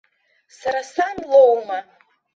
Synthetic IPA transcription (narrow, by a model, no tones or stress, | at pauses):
saɾasanlˠowma